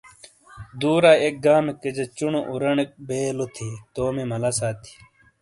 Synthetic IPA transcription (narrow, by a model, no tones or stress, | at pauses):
d̪uːɾaːek̚ɡaːmeked͡ʑɐt͡ɕuɳoʔuɾɐɳek̚beːlot̪ʰiːt̪oːmimɐlɐsaːt̪ʰi̥